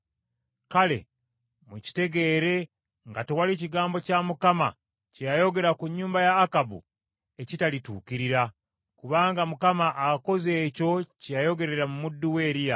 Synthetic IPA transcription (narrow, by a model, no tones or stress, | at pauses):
kale̞̰ | muci̥te̞ɡe̞ːɾe̞ | ŋɡatewaliciɡaːmbo̞camukama̰ | cejajo̞ɡe̞ɾakuɲːuːmbajaːkabṵ | e̞citalitṵːkiɾiɾa | kuβaːŋɡamukamaʔːko̞ze̞ːco̞cejajo̞ɡe̞ɾe̞ɾamumudːuwe̞ːɾija